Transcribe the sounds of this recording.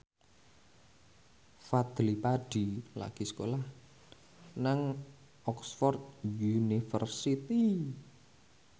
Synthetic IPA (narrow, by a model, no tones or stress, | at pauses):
fad̪̥lipaɖ̥ila̰ɡ̥i̤sə̥kolah | naŋ | ʔɔksfɔrt̪̚junifərsit̪i